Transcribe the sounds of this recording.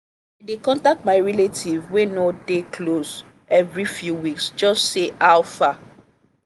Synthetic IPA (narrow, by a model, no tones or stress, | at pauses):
adekɔ̃ntak̚tmaɪɹɛletʰivwenodekʰlos | ɛvɹifjuwiksd͡ʒɔstseʔawfa